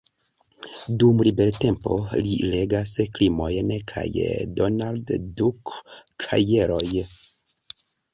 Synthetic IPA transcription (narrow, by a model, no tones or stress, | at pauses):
dumɾibe̞lte̞mpo̞̰lile̞ɡasklimo̞jnkʰa̰jdonalddukʰːa̰jeɾo̞j